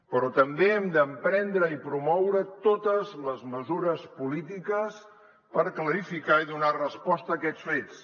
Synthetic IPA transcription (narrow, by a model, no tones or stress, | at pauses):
pəɾɔt̪əmbeɛmd̪əmpɾɛnd̪ɾəipɾumɔwɾət̪ot̪əzləzməzuɾəspulit̪̬ikəs | pəɾkləɾifikaiðunarəspɔst̪əːkɛt͡sfet͡s